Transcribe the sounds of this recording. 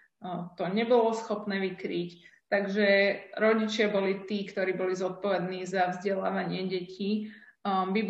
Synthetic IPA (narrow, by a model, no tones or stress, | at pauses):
t̪ɔɲɛbɔlɔsxɔpnɛːʋikɾiːct̪aɡʒɛɾɔɟit͡ʃɪabɔlit̪iːkt̪ɔɾiːbɔlizɔt̪̚pɔʋɛd̪niːzavzɟɛla̰ːʋaɲɪɛɟɛci | bib